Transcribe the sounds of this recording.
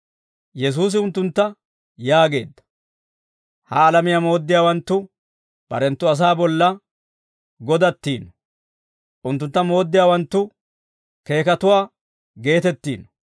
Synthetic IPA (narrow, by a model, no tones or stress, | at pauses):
jɛs̬uːs̬ɪʊnt̪ːʊnt̪ːɐ | jaːɡe̞̰ːd̪ːɐ̥ | hɐːlɐmɪjamo̞ːd̪ːɪjaːwɐnt̪ːʊ | b̥ɐ̰ɾɛnt̪ːʊɐs̬aːbɔlːɐ | ɡɔd̪ɐt̪ːiːnɔ | ʔʊnt̪ːʊnt̪ːɐmo̞ːd̪ːɪjaːwɐnt̪ːʊ | ke̞ːkɐt̪ʊwaː | ɡe̞ːt̪ɛt̪ːḭːnɔ̥